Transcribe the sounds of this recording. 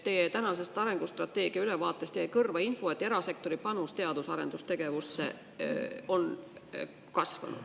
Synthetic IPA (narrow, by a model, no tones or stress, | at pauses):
t̪ːe̞jet̪ænɑse̞st̪ɑɾe̞ŋɡ̥ust̪rɑt̪ːˑe̞ːɡ̥iɑylevɑːt̪ˑːe̞st̪ejekɤrvɑinfo̞et̪ːˑe̞ɾɑse̞k̚t̪o̞ɾipɑnust̪e̞ɑd̪usɑɾe̞̰nd̪ust̪e̞ɡ̥e̞vusːḛ | o̞n | kɑsvɑ̰nṵd̪̥